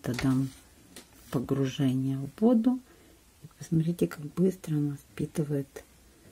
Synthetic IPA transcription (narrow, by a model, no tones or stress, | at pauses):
t̪ɐd̪am | pəɡɾʊʐɛnʲɪjəvo̞d̪ʊ | ipəsmɐt̪ʲɾʲitʲɪkaɡ̚bɨst̪ɾəɐnaspʲit̪ɨvəjɪt̪